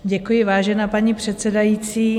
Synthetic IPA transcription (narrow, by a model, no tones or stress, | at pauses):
ɟɛkujɪvaːʒɛnaːpaɲipr̝̥ɛt̪sɛdajiːt͡siː